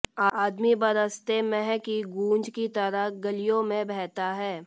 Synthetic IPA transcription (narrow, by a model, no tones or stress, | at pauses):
aːd̪mibɐɾəst̪emɛɦkiɡũːnd͡ʒkit̪əɾəɡɐlijõmẽbɛɦt̪aɦɛː